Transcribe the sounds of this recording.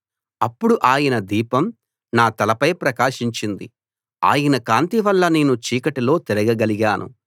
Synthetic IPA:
ɐpːuɽuʔaːjɐnɐd̪iːpɐm | naːt̪ɐlɐpɐjpɾɐkaːʂiɲt͡ʃind̪i | a̰ːjɐnɐkaːnt̪iʋɐlːɐne̞ːnut͡ʃiːkɐʈilo̞ːt̪ɛɾɐɡɐɡɐliɡaːnʔṵ

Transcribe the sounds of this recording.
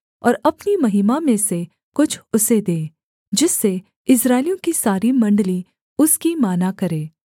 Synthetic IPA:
ɔ̰ːɾɐpnimɐɦiːmamẽse | kʊt͡ʃʰʊsed̪eː | d͡ʒɪsːe | ɪsɾaːɪlijõkisaːɾimɐ̃ɳɖli | ʊskimaːnakɐɾẽː

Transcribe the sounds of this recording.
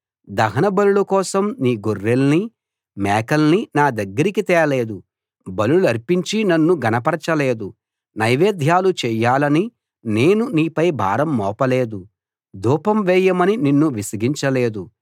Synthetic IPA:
d̪ɐɦɐnɐbɐluɭɐkɔːsɐmniːɡorːelni | mɛːkɐlninaːd̪ɐɡːɐɾikit̪ɛːɾɐleːd̪u | bɐluluɐɾpiɲt͡ʃinɐnːuɡɐnɐpɐɾɐt͡ʃɐleːd̪u | nɐjʋeːd̪ʱjaːlut͡ʃɛːjaːlɐni | neːnuniːpɐjbʱa̰ːɾɐmːɔːpɐleːd̪u | d̪ʱuːpɐmʋɛːjɐmɐnininːuʋisɐɡiɲt͡ʃɐleːd̪u

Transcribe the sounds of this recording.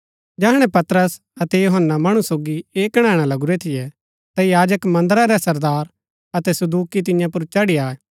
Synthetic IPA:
d͡ʒɛːɦɽ̃ɛ̃pɐt̪ɾəs | ɐt̪ɛjoɦənːamɐɽ̃usoːɡieːkɽ̃ɛːɽ̃alɐɡuɾɛt̪ʰɪjɛ | t̪ajaːd͡ʒəkmɐ̃nd̪əɾaɾɛsɐɾd̪aːɾ | ɐt̪ɛsɐd̪uːkit̪̬ɪ̃jãp̬ʊɾt͡ʃɐɽiaːɛ

